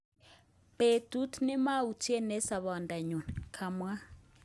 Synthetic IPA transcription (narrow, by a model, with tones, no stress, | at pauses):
pe˨tu˦tʰnɪ˦ma˦u˨tʰi˦ɛ˦nɛ˦sa˨βɔ˨nda˨ɲu˨nkʰa˨mwa˦